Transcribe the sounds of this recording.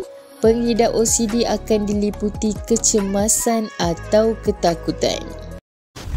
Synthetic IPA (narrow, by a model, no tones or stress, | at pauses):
pəŋidaʔosidiʔakandiliput̪ikət͡ʃəmãsanat̪awkət̪akut̪a̰n